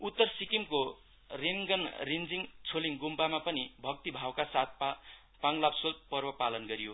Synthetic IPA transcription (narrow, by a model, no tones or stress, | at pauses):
ut̪ːʌrsikimko | reŋɡʌnrind͡ziŋt͡sʰoliŋɡumpamapʌnibʱʌk̚t̪ibʱawkasat̪̚ | paŋlapsolpʌrbʌpalʌnɡʌɾijo